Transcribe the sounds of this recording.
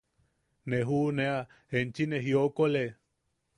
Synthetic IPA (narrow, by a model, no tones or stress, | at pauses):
neɦunea | hent͡ʃineɦiokole